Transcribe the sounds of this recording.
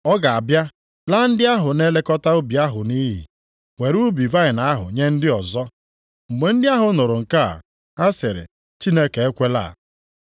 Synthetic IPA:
ɔ˦ɡa˨a˨bja˦ | la˦n̩˦dɪ˦a˦ɦʊ˨ne˦le˦kɔ˦ta˦o˦bi˨a˦ɦʊ˨ni˦ɦḭ˨ | ŋʷe˨ɾu˦bi˨va˦ɪ˨na˨˦ɦʊ̰˨ɲe˦n̩˦dɪ˦ɔ˨zɔ˦ | m̩˨ɡ͡be˨n̩˦dɪ˦a˦ɦʊ˨˦nʊ˨ɾʊ˨ŋ̩˨ka̰˦˨ | a˦sɪ˨ɾɪ̰˨ | t͡ʃi˦ne˦ke˨e˦kʷe˦la̰˦˨

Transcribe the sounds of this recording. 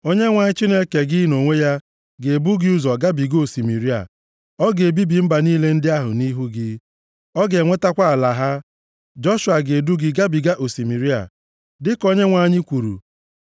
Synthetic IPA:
o˦ɲe˦ŋʷa˨ɲɪ˦t͡ʃi˦ne˦ke˨ɡɪ˦no˨ŋʷe˦ja˦ | ɡe˨bu˦ɡɪ˦u˦zɔ˨ɡa˦bi˨ɡo˨si˨mi˨ɾi˦a̰˨ | ɔ˦ɡe˨bi˦bi˨m̩˦ba˨niː˦le˦n̩˦dɪ˦a˦ɦʊ̰˨ni˦ɦu˦ɡɪ˦ | ɔ˦ɡe˨ŋʷe˦ta˦kʷa˦a˨la˨ɦa˦ | d͡ʒɔ˦ʃwa˨ɡe˨du˦ɡɪ˦ɡa˦bi˨ɡa˦ʔo˨si˨mi˨ɾi˦a̰˨ | dɪ˦ko˦ɲe˦ŋʷa˦˨ɲɪ˦kʷu˨ɾṵ˨

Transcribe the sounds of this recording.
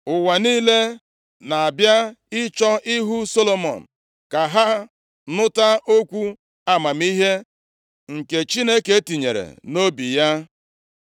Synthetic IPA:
ʊ˨wa˨niː˦le˦ | na˨a˨bja˦ɪ˦t͡ʃɔ˦ʔɪ˦ɦu˦so˦lo˨mɔ̰˨n̩˨ | ka˨ɦa˦ | nʊ˦ta˦o˦kʷu˦ | a˦ma˨mi˦ɦe˦ | ŋ̩˨ke˨t͡ʃi˦ne˦ke˦e˦ti˨ɲḛ˨ɾḛ˨no˦bi˨ja˦

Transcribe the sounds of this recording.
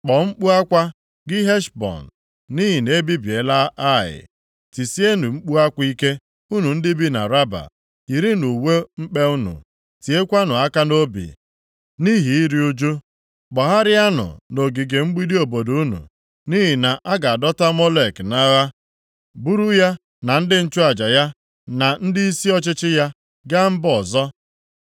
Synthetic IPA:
k͡pɔ˨ŋ͡m̩˦k͡pu˦a˦kʷa˦ | ɡɪ˦ɦe˦ʃbɔ̰˨n˨ | ni˦ɦi˨ne˦bi˦bi˨e˨la˦a˦˨ɪ̰˨ | ti˨si˦e˦nu˨ŋ͡m̩˦k͡pu˦a˦kʷi˦ke˦ | u˦nu˨n̩˦dɪ˦bi˦na̰˨ɾa˦ba̰˨ | i˨ɾi˦nu˨we˦ŋ͡m̩˦k͡pe˦u˦nṵ˨ | ti˨e˦kʷa˦nʊ˨a˦ka˦no˦bḭ˨ | ni˦ɦi˨i˦ɾi˦u˦d͡ʒu˦ | k͡pɔ˨ɦa˦ɾɪ˦a˦nʊ̰˨no˨ɡi˨ɡe˨ŋ͡m̩˦ɡ͡bi˦di˦o˨bo˨do˨u˦nṵ˨ | ni˦ɦi˨na˨ʔa˦ɡa˨a˨dɔ˦ta˦mɔ˦le˨kna˦ɣa˦ | bu˦ɾu˦ja˦ | na˨n̩˦dɪ˦n̩˦t͡ʃu˦a˨d͡ʒa˨ja˦ | na˨n̩˦dɪ˦i˦si˦ɔ˦t͡ʃɪ˦t͡ʃɪ˦ja˦ | ɡa˦m̩˦bɔ˨zɔ˦

